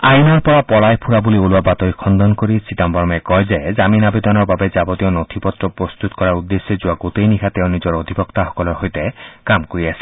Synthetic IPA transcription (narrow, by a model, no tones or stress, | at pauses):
ajnɔɾpɔɾapɔlajpʰuɾabulioluwabat̪ɔjkʰɔnd̪ɔnkoɾisʰit̪ambɔɾɔmɛkɔjzezaminabed̪ɔnɔɾbabed͡ʒabɔt̪iɔnot̪ʰipɔt̪ːɾɔpɾɔst̪ut̪ɔ̥kɔɾaɾud̪ːesːed͡ʒuaɡot̪ejnikʰat̪eʊ̃nid͡ʒɔɾod̪ʱibɔkt̪aɦɔ̥kɔlɔɾɦojt̪ekamkoɾiasʰi̥